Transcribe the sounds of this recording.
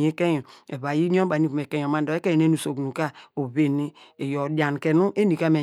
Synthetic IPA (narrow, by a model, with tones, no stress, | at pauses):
e˦ke˦jo˨e˨βa˨ji˦ɲ˦o˦a˨ni˦ku˨m˨e˨ke˦jo˨ma˦do˨˦e˦ke˦je˦nu˨so˨ɡnu˨ka˦o˨βe˨ni˦e˨jo˨dja˨n˨ke˨nu˦ʔe˦ni˨ka˦me˨